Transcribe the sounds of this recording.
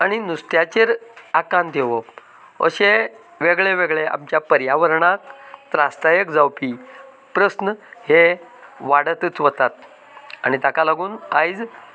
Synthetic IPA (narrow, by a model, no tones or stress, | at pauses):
aɽ̃inust̪jat͡ɕeɾakant̪eʋə | ə̰ɕe | ʋeɡɭeʋeɡɭeʔa̰mt͡ɕjapəɾjaʋəɾɳak̚t̪ɾast̪ajəkd͡zawpi | pɾəsnəheʋaɽət̪ət͡sʋət̪at̪̚ | a̰ñit̪akalaɡuːnajd͡z